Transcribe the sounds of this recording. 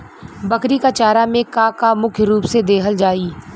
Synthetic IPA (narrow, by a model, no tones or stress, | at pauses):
bɐkɾikat͡ʃaːɾamẽkakamʊkʰjɾuːpsed̪eːɦəld͡ʒaːiː